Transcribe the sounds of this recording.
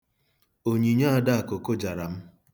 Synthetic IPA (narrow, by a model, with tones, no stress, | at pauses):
o˨ɲi˨ɲa˦a˦da˦a˨ko˨ko˦d͡ʒa˨ɾa˨m̩˦